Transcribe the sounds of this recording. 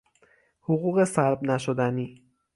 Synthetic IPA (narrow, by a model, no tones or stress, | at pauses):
hoɣuːɣe̞sæɾbnæʃod̪æniː